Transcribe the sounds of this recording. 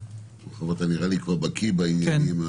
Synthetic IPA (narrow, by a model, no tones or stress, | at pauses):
oχavot̪aniʁalikvaʁbakʰibainjanima